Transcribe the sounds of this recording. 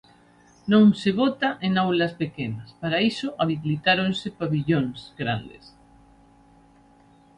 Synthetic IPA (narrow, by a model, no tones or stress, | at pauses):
nõŋseβ̞ot̪aʔenawlaspekenaspaɾaisoʔaβiβlit̪aɾõnsepaβiʎõŋsɡɾa̰nd̪ḛs